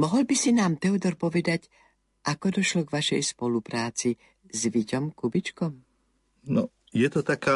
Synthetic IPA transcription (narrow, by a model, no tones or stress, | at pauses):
mɔɦɔlbisinaːmt̪ɛud̪ɔɾpɔʋɛd̪ac | ʔakɔd̪ɔʃlɔɡʋaʃɛjspɔlupɾaːt͡si | zʋicɔmkubit͡ʃkɔm | nɔ | jɛt̪ɔt̪akaː